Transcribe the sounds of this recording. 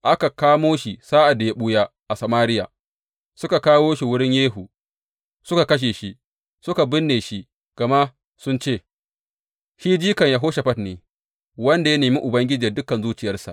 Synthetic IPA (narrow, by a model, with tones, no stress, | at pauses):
ʔa˦ka˨kaː˦moː˦ʃi˨saː˦ʔa˨da˨ja˦ɓʊ˦jaː˦ʔa˨sɐ˨maː˦ɾɪ˦ja̰ː˨ | sʊ˦ka˨kaː˦woː˦ʃi˨wʊ˦ɽɪ˦ɲjeː˦ɦu˨ | sʊ˦ka˨kɐ˦ʃ̬eː˨ʃi˦ | sʊ˦ka˨bɪ˦nːeː˨ʃi˦ | ɡ̥ɐ˨ma˦ | sʊ˦nt͡ʃeː˦˨ | ʃiː˦d͡ʒiː˦kɐ˨ɲja˨ɦoː˦ʃa˨ɸɐ˦tneː˨ | wɐ˦nda˨ja˦neː˨mi˦ʔʊ˨bɐ˦ŋɡʲɪ˦d͡ʒi˨dʊ˦kɐ˨nzuː˦t͡ʃɪ˨jɐ˦rsa̰˨ʔ